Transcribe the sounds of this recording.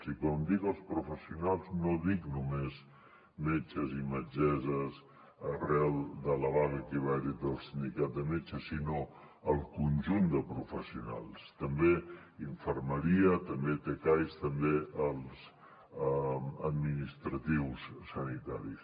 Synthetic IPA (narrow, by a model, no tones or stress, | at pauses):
sikɔmd̪ikəlˠspɾufəsiunalˠznoðiknumez | met͡ʃəziməd͡ʒɛzəz | ərɛlˠd̪ələβaɣəkiβɛɾid̪əlˠsind̪ikat̪̚d̪əmet͡ʃəsino | əlˠkunʲʒund̪əpɾufəsiuna̰lˠst̪əmbe | iɱfəɾməɾiət̪əmbet̪ekajst̪əmbeəlˠz | əd̪minist̪ɾət̪iwssənit̪aɾis